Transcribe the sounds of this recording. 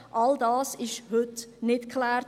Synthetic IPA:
ʔɑldɑːsɪʃhʏtnɪtkʰlɛːɾ

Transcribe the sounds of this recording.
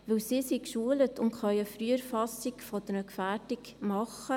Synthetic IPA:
ʋɵwsiːsikʃuələtʰʊntχœʏəfɾyːəɾfɑsikfɔd̥̪əɾəkfæːɾdik | mɑχə

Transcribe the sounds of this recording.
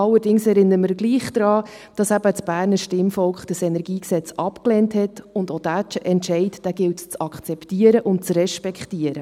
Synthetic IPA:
ɑlːəɾdɪŋsɛɾɪnːəəməɾɡliːχd̥ɾɑː | d̥ɑsæbət͡sb̥æːɾnəʃtɪmfɔlkχd̥əsɛnɛɾɡiːksɛt͡sɑpkleːnthɛtʊndodæt͡ʃəʔɛntʃɛɪtd̥æɡɪltt͡sɑkχt͡sɛptiːəɾəʔʊnt̚t͡srɛʃpɛkχtiəɾə

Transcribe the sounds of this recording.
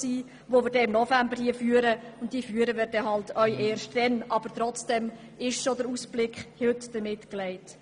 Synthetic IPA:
siː | ʋoʋɪːɾdɛɪmnɔfæmbəɾhiəfyːəɾəʊntd̥iːfyəɾəʋɪːɾdɛɦɑltœʏʔeːɾʃt̚d̥ɛnʔɑb̥əɾt̪ɾɔt͡sd̥ɛm | ɪʃʃodəɾuːsb̥lɪkχhøtd̥əmɪtklɛɪt

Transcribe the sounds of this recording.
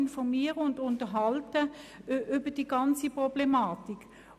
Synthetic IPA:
nfɔʁmiːəʁəʊndʊntəɦɑltəʔʏbəd̥iɡ̥ɑnt͡sipʁɔb̥lemɑːtik

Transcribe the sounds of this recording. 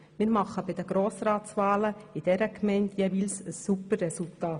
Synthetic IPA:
mɪːɾmɑχəbɪdəɡɾoːsraːt͡svaːləɪd̥ɛɾəkmɛɪntjɛːviːlsəsːupərːɛsultaːt

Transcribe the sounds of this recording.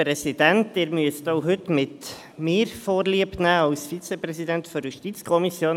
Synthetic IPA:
pɾɛsidæntɪːɾmyəstoʊɦʏtmɪt | mɪːɾfoːɾliəpnæːɑʊsfit͡sɛpɾɛsidɛntfɔɾjuʃtit͡skʰɔmisjoːn

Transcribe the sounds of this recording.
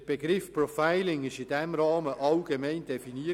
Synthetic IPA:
b̥eɡɾɪfprɔfaɪlɪŋɪʃɪdɛmɾɑːməʔɑlɡ̥emɛɪndɛfiniːə

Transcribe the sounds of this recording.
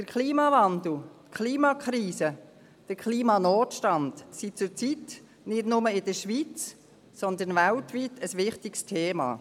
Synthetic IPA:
d̥əɾkʰliːmɑvandl̩tkʰliːmɑkʰɾiːsə | d̥əɾkʰliːmɑnoːtʃtɑndsit͡sʊɾt͡sit | nɪdnʊməɪdəʃʋit͡s | sɔnd̪ənvaltʋitʰəsʋɪχtɪkstʰeːmɑ̰ː

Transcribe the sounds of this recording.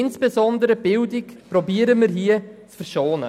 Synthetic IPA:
ɪnsb̥ezɔndəɾəb̥ɪldikpɾɔbiːəɾəmiɾɦiət͡sfəɾʃoːnə̰

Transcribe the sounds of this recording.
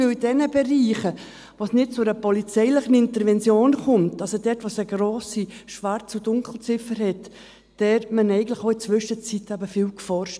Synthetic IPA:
ɪlidɛnəbɛɾiːχə | ʋoːsnɪt̚t͡sʊɾəpɔlit͡sɛɪlɪχən̩ɪntəɾvɛnt͡sjoːnkʊmtɑlsodɛtʋosəɡɾoːsiʃʋaɾt͡sudʊŋkl̩t͡sɪfəɾhɛt | d̥ɛːɾmənɛɪɡən̩tlɪxoɪt͡sʋʏʃət͡sitɛbəfiːlkfɔɾʃt

